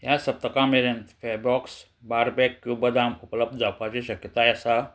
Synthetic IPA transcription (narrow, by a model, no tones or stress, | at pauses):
jasəp̚t̪əkameɾent̪febɾɔks | baɾbɛkːjubəd̪amupləb̚d̪d͡zapat͡ɕiɕəkjət̪ajəsa